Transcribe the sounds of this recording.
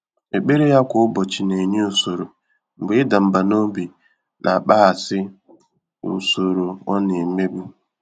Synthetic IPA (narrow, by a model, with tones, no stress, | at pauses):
e˨k͡pe˦ɾe˦ja˦kʷʊ˦ʊ˦bɔ˨t͡ʃɪ˨ne˨ɲe˦o˨so˨ɾo˨ | ŋ͡m̩˨ɡ͡bɪ˨˦ɪ˦da˨m̩˨ba˨no˦bi˨ | nʔa˨k͡pa˦a˨sɪ˦ | n̩˨so˨ɾo˨ɔ˦ne˨me˦ɡ͡bu˦